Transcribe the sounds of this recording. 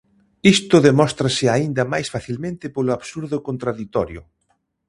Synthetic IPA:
ist̪ʊðemɔst̪ɾasɪaind̪ɐmajsfaθilmẽnt̪ɪpolʊaβsuɾðʊkont̪ɾaðit̪ɔɾjʊ̰

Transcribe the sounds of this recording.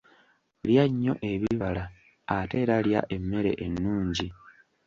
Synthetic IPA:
ljaɲːo̞̰ʔe̞βiβalaː | te̞ːɾalja̰ʔe̞mːe̞ɾe̞̰ʔenːuːɲɟi

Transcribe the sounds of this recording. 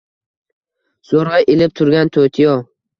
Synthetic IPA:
soɾajʔelɪp̚t̪ʰʊɾɡʲant̪ʰot̪ʰijɒ

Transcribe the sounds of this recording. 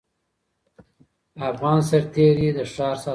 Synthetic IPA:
afɣɑːnsaɾt̪eɾid̪əʂɑːɾsɑ

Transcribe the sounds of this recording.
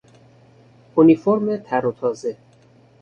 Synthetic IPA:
unifoɾmet̪ʰæɾot̪ʰɒːze̞

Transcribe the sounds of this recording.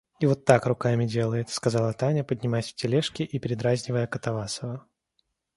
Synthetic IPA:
ivo̞t̪ːakrʊkamʲɪdʲe̞lˠəjɪt̪skɐzɑlˠɐt̪anʲəpədʲnʲɪmajsʲftʲɪlʲeʂkʲɪʔipʲɪɾʲɪd̪ɾazʲnʲɪvəjəkət̪ɐvasəvə

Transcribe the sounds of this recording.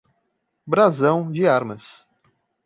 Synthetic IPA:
bɾazɐ̃w̃d͡ʒɪaɾmɐs

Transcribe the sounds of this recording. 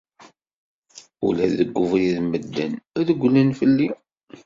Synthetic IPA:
ulæðəɡʷːʊvɾiðməd̪ːənæðəɡʷːlənfəlːi

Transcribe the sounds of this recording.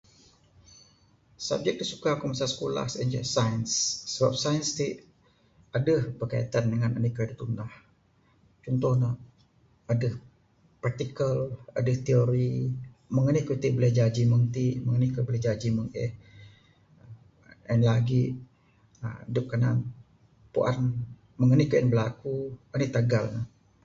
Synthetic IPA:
sa̰b̚d͡ʒɛk̚disukakomasasə̥kola̰hsənd͡ʒəsajənsːəba̰p̚sajənst̪iʔ | adəhbərkajit̪andəŋanənikɾedit̪undah | t͡ʃɔnt̪ʊhnə | adəh | part̪ikəla̰dəht̪ioɾi | məŋənihkut̪ibələhd͡ʒad͡ʒiməŋt̪iməŋənikəbəlɛhd͡ʒad͡ʒiməŋʔɛ̰h | ənlaɡiʔ | ədʊp̚kana̰n | pṵʔa̰n | məŋənihkəʔənbəlakuənit̪aɡalnəh

